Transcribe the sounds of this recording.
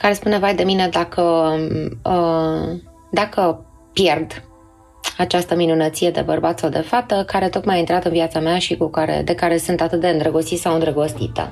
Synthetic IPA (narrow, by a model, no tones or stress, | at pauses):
kaɾe̞spune̞vajd̪e̞mine̞d̪akʰə | d̪akə | pje̞rd̪ | at͡ʃast̪əminunət̪sije̞d̪e̞bərbat̪sawd̪e̞fat̪əkaɾe̞t̪o̞t̪majaint̪ɾat̪ɨnviat̪sameaʃikukaɾḛd̪e̞kaɾe̞sunt̪at̪ɨt̪̚d̪e̞ɨnd̪ɾəɡosit̪sawɨnd̪ɾəɡo̞st̪it̪ə̰